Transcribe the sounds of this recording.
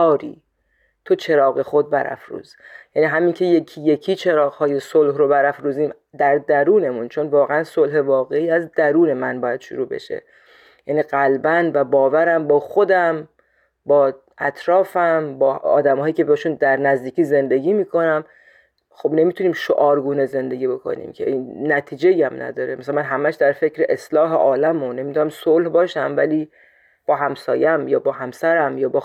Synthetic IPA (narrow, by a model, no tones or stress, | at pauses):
ɒːɾḭː | t̪ʰo̞t͡ʃʰe̞ɾɒːɣexo̞d̪̚bæɾæ̰fɾṵːz̥ | jæniːɦæmiŋcʰe̞je̞cʰije̞kʰiːt͡ʃʰe̞ɾɒːɣhɒːje̞solɦɾo̞bæɾæfɾuːziːm | d̪æɾd̪æɾuːne̞munt͡ʃʰo̞nvɒːɣeænsolɦe̞vɒːɣe̞iːæzd̪æɾuːne̞mænbɒːjæd̪ʃo̰ɾuːbḛʃḛ | jæniːɢælbænvæbɒːvæɾæmbɒːxo̞d̪æm | bɒː | æt̪ʰɾɒːfæmbɒːɒ̰ːd̪æmhɒːjiːcʰe̞beeʃuːnd̪æɾnæzd̪iːciːze̞nd̪e̞ɡiːmiːkʰo̞næm | xo̞bne̞mit̪ʰuniːmʃo̰ʔɒːɾɡuːneze̞nd̪e̞ɡʲiːbo̞kʰo̰nḭːmcʰḛʔinːæt̪ʰiːd͡ʒejæmnæ̰d̪ɒːɾemæsælmænɦæmæʃd̪æɾfe̞cʰɾeʔeslɒːɦḛʔɒːlæmone̞mit̪unæmsolhbɒːʃæmvæ̰liː | b̥ɒːɦæmsɒːjmjɒːbɒːɦæmsæɾæmjɒːbɒː